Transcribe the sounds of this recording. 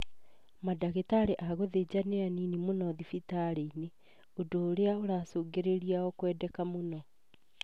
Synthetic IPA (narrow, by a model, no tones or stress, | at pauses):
madaɣetaɾeʔaɣoðed͡ʑaneaninimonɔðifitaɾeine | odoːɾeaoɾaːsoːɡeɾeɾiaɔkwɛːdɛkamonɔ